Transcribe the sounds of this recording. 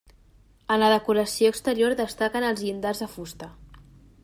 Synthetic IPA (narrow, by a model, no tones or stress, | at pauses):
ənləðəkuɾəsioəkst̪əɾioɾðəst̪akənəlˠzind̪azðəfust̪ə